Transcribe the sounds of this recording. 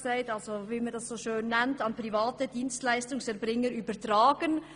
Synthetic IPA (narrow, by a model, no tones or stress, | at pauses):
saɪtɑlzoviːmɑndɑssoːʃøːnːɛntɑnpʁivaːtəd̥iːnstlæɪstʊŋsɛɾbʁɪŋəɾyːbətʁaːɡ̥ən